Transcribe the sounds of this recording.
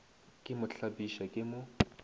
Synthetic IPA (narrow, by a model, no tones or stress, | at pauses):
kʼɪmʊɬʰabiʃakʼɪmʊ